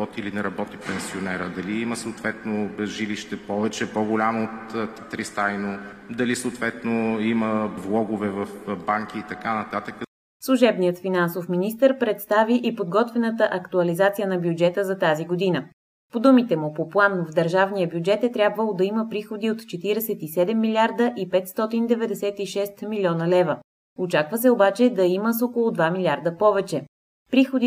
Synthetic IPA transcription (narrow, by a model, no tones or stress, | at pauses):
ɔt̪iːlinɛɾɐbɔt̪ipɛnsionɛɾəd̪ɐliiməsəːt̪vɛt̪nobɛzʒiliʃt̪ɛpɔvɛt͡ʃɛpɔɡʊlʲamoːt̪ | t̪ɾist̪ajno | d̪ɐlisoʊt̪vɛt̪noiməvlˠɔɡʊvɛvɐfbaŋk̟iːt̪ɐkanɐt̪at̪əkə | slˠʊʒɛbnijət̪finansofminist̪əɾpɾɛt̪st̪aviʔipod̪ɡɔt̪vɛnət̪əʔɐkt̪uɐlizat̪sijənɐbjud͡ʒɛt̪əzɐt̪aziɡod̪inə | pod̪umit̪ɛmʊpoplˠanvd̪əɾʒavnijəbʲjud͡ʒɛt̪ɛt̪ɾʲabvəlˠod̪ɐiməpɾixod̪iot̪t͡ʃɛt̪iɾɛsɛt̪isɛd̪ɛmːilʲiaɾd̪əʔipɛt̪st̪ɔt̪ind̪ɛvɛd̪ɛsɛt̪iʃɛst̪milʲɔnəlɛvə | ot͡ʃakvəsɛobat͡ʃɛd̪ɐiməs̬okolˠʊd̪vamilʲaɾd̪əpɔvɛt͡ʃɛ | pɾixod̪i